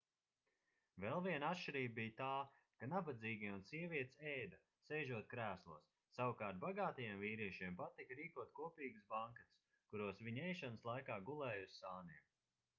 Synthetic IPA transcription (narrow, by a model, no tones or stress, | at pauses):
vɛlˠviɛnat̪ʃiɾiːb̚bijt̪aː | kanabad̪ziːɡʲiunsiɛviɛt̪ʲsɛjd̪a | sɛjʒuɔt̪̚kɾæːslˠṵːsːawkaːɾt̪̚baɡaːt̪ajamviːɾiɛʃiɛmpat̪ikɾiːkuɔt̪̚kuɔpiːɡɨsbaŋkass | kuɾuɔsviɲɛjʃanslˠajkaːɡulˠɛːjussaːniɛm